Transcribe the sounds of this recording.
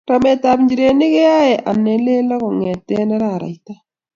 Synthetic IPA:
ɾa˨mɛ˨ta˨pɲd͡ʒi˨ɾe˨nɪ˦ke˦ja˦ɛ˨ʔa˨nɛ˨le˦lɔ˦kɔ˨ŋɛ˨tɛ˦nɛ˦ɾa˨ɾa̰˨i˦t̪a˦

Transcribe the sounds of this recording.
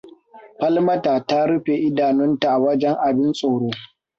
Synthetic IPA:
ɸɐ˦lmɐ˦taː˨ta˦ɽʊ˦ɸe˨ʔɪ˦daː˨nʊ˦nta˨ʔa˨wɐ˦d͡ʒɛ˦ŋʔa˨bɪ˦nsʼoː˨ɽoː˦

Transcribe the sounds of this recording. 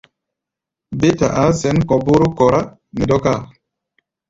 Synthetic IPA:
be˦ta̰˨ʔa˨˦sɛ˨˦nkɔ˨bu˦ɾu˦kɔ˨ɾa˦ | mi˨dɔ˦ka˦˨

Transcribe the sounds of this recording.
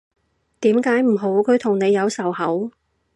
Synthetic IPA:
t̪iː˨˥mkaː˨˥jm̩˨˩ɦo˨˥wkʰɵ˨˧ɥt̪ʰʊ˨˩ŋne˨˧jɐ˨˧wsɐ˨˩whɐ˨˥w

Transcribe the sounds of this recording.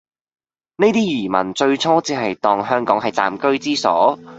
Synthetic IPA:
ne˥jt̪iː˥jiː˨˩mɐ̰˨˩nt͡ʃɵ˧ɥt͡ʃʰɔː˥t͡siː˥ɦɐ˨jt̪ɔː˨ŋɦœː˥ŋkɔː˨˥ŋɦɐ˨jt͡sa̰ː˨mkɵ˥ɥt͡siː˥sɔ̰ː˨˥

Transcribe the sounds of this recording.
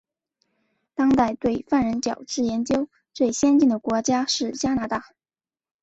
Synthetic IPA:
t̪ɑ˥ŋt̪a˥˧ɪt̪we˥˧ɪfa˥˩nɻə˧˥nt͡ɕjɑ˨˩ʊʈ͡ʂɻ̩˥˩jɛ˧˥nt͡ɕjo˥ʊ | t͡swe˥˩ɪɕjɛ˥nt͡ɕi˥˩nd̪ə˩kwɔ˧˥t͡ɕja˥ʂɻ̩˥˩t͡ɕja˥na˧˥t̪a˥˩

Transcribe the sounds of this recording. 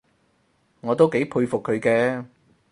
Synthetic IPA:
ŋɔː˨˧t̪o˥wke˨˥jpʰuː˧ɥfʊ˨kʰːɵ˨˧ɥkɛː˧

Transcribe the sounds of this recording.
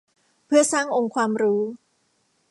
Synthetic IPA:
pʰɯ˥˩ɐsaː˥˩ŋʔo˧ŋkʰwaː˧mɾuː˦˥

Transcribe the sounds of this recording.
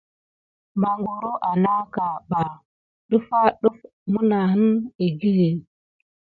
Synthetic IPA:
ma˨ŋɡo˨ɾo˦ʔa˨na˦ka˨ba˨ | ɗu˦fa˦ɗu˦f | mu˦na˨ɦə˦ni˨ɡi˦ɣe˨

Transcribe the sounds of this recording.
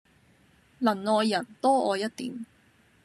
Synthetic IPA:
lɐ˨˩nlɔː˨˧jːɐ˨˩nt̪ɔː˥ɔ̰ː˨˧jɐ˥t̚t̪ḭː˨˥m

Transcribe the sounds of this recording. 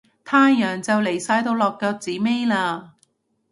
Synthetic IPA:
t̪ʰaː˥jœː˨˩ŋt͡sɐ˨wle˨˩jsaː˧jt̪o˧wlɔː˨˩kːɔː˧t͡siː˨˥me˥jlaː˧

